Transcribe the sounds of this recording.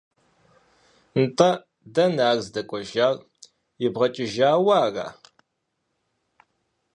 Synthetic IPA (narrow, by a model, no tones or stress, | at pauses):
ntʼɐ | dɐnaːɣzdɐkʷʼɔʒaːr | jɪbʁɐt͡ʃʼɪʒaːwaːra̰ː